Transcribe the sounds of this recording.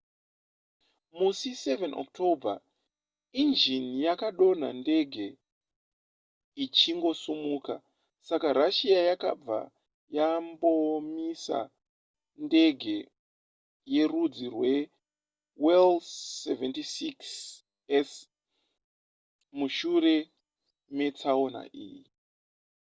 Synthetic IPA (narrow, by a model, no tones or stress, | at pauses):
musisevenʔo̰k̚tʰobʱa̰ | ind͡ʒinjakaɗo̞n̤a̰nde̞ɡʱe̞ | it͡ʃiŋɡo̞sumuːka | sakaɾaʃiajaka̰b͡va̰ | jambo̞misa̰ | nde̞ɡʱe̞ | je̞rud͡zirwe̞ | welseventisiks | es | muʃure̞ | me̞t͡saona̰ʔḭːji